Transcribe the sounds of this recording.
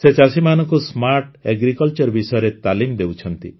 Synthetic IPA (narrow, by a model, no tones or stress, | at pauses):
set͡ʃasimanɔ̃ŋkusmaɾʈeɡɾikɔlt͡ʃɔɾbisɔjɔɾet̪alimd̪ewt͡ʃʰɔnt̪i